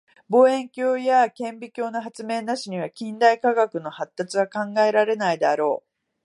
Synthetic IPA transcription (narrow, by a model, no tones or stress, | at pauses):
bo̞ːẽ̞ŋkʲo̞ːjakẽ̞mbʲikʲo̞ːnaɦat͡sɨme̞ːnaɕiɲ̟iβ̞akʲĩnd̪aikaɡakɯ̟no̞hat̪ːat͡sɨβakãŋɡae̞ɾaɾe̞naid̪aɾo̞ː